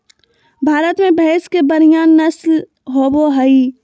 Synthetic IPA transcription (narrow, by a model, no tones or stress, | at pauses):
bʱaːɾət̪mẽbʱɛːskebəɾijaːnːɐsl | ɦoːboɦɐi